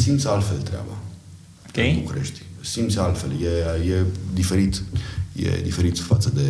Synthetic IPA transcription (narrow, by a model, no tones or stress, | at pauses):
simt̪salt̪felt̪ɾea̰ba̰ | okejbukuɾe̞ʃt̪ʲsimt̪salt̪fe̞ljejed̪ife̞ɾit̪jḛd̪ife̞ɾit̪fat̪səd̪e̞